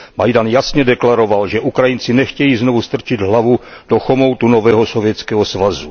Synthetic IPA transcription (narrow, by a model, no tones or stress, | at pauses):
majdanjasɲɛdɛklaɾo̞valʒɛʔukɾajint͡sinɛxcɛjiːznovust̪r̩t͡ʃɪd̪ɦlavud̥oxomowt̪unovɛːɦosovjɛt͡skɛːɦɔsvazu